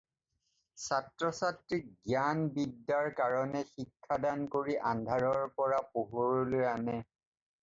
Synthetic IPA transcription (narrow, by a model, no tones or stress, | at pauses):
satɹɔsatɹik̚ɡjanbidːaɹkaɹɔnɛxikʰːadankoɹiʔandʱaɹɔɹpɔɹapoɦoɹɔlojanɛ